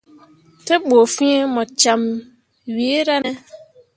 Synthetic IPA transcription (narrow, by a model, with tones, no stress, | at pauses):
tɛ˦ɓo˨fĩ˦e˦mɔ˨t͡ʃa˨m | ɥi˨e˦ɾa˦nɛ˦